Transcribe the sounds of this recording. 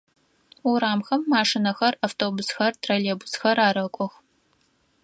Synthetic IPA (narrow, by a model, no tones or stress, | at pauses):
uɾaːmxɐmːaːʂɨnɐxɐraːftʰoːbʊsxɐrtʰraleːbʊsxɐraːɾɐkʷʼɔx